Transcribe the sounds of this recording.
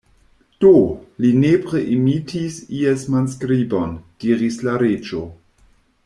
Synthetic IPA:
d̥olinepɾeʔimitʰisiesmanskɾibo̞nd̥iɾislaɾed͡ʒo

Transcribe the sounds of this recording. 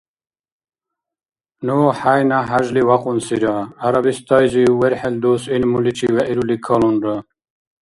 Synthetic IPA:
noħajnaɦaʒliwaqunsiɾaːɾabist̪ɑjziweɾħeld̪usinmuliʈ͡ʂʰiweʔiɾulikʰalunɾə

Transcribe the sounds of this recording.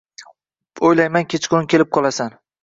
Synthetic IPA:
ojlajmankʲet͡ʃkonɪkʲe̞lɪp̚qʰɒlˠasan

